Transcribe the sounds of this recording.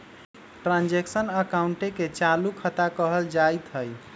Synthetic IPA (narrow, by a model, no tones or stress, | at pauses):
ʈɾãnd͡ʒeksənəkauɳʈeket͡ʃalukʰət̪akəɦəld͡ʒajt̪ɦəj